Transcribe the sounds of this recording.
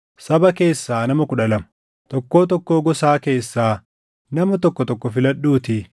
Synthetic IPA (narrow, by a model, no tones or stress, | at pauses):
sɐbɐke̞ːsːaːnɐmɐkʊᶑɐlɐmʊ | t̪ɔkːo̞ːt̪ɔkːoːɡɔsaːke̞ːsːaː | nɐmɐt̪ɔkːɔt̪ɔkːɔfɪlɐᶑːuːt̪ɪ